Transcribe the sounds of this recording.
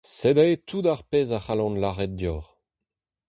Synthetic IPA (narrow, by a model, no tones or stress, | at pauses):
sedaetʰudaʁpeːzaχalɔ̃nlaʁɛt̚djɔːʁ